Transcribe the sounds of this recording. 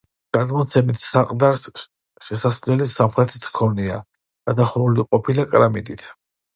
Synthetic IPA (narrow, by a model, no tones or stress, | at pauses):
ɡ̥ad̪mɔt̪sʰɛmit̪ʰsaqʼd̪aɾs | ʃɛsaslɛlisamχɾɛt̪ʰit̪ʰkʰɔnia̰ | ɡ̥ad̪aχɔɾuliqʼɔpʰilakʼɾamid̪ʼit̪ʰ